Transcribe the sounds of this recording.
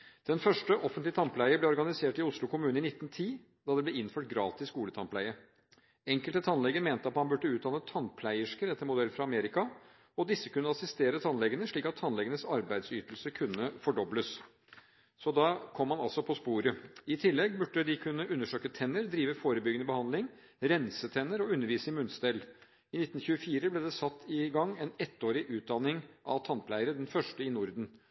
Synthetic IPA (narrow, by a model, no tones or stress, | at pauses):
d̪̥ɛnfœʂʈəʔɔfənt̪lɪt̪ʰɑmplæɪəblɛːɔɾɡɑnɪseːʈɪʊslʊkʊmʉːnɪnɪt̪ːn̩t̪ʰiː | d̪ɑd̪ɛblɛɪnføːʈ̚ɡɾɑːt̪ɪsɡuːlət̪ʰɑnpʰlæɪə | ɛŋkəlt̪ət̪ʰɑnlɛɡəɾmeːnt̪əɑt̪hɑnbʉɖːəʉːt̪̚d̪ɑːnət̪ʰːɑnpʰlæɪəʂkəɾɛt̪ːəɾmʊd̪ɛlfɾɑɑmeːɾɪkɑ | ɔd̪ɪsːəkʉnːəɑsɪst̪eːɾət̪ʰɑnlɛɡənəʂɭiːkɑt̪ʰːɑnlɛɡənəsɑɾbæɪd̪syːt̪əlsəkʰʉnːəfɔɖɔbləs | sɔd̪ɑkʰɔmːɑnɑlsɔpʰɔspuːɾəɪt̪ʰɪlːɛɡbʉɖːəd̪ɪkʰʉnːəʔʉnːəʂøːkət̪ʰɛnːəɾd̪ɾiːʋəfoːɾəbʏɡənəbəhɑnd̪lɪŋ | ɾɛnsət̪ʰɛnːəɾɔʉnːəɾʋiːsəɪmʉnsd̪ɛl | ɪnɪt̪ːn̩çʉːəfiːɾəblɛd̪ɛsɑt̪ːɪɡɑŋːɛnɛt̪ːoːɾɪʔʉːt̪̚d̪ɑnɪŋʔɑ̰ʋt̪ʰɑnpʰlæɪəɾəd̪ɛnfœʂʈəɪnʊɾd̪n̩